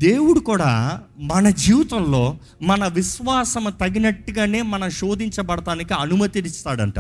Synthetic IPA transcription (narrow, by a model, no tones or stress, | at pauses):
d̪e̞ːwuɽukuːɽa̰ː | mɐnɐd͡ʒiːʋt̪ɐmlo̞ː | mɐnɐʋiʃʋaːsɐmut̪ɐɡinɐʈːuɡaːne̞ːmɐnɐmʃo̞ːd̪iɲt͡ʃɐbɐɽɐt̪aːnikiɐnumɐt̪iɾist̪aːɽɐɳʈa̰ːɾ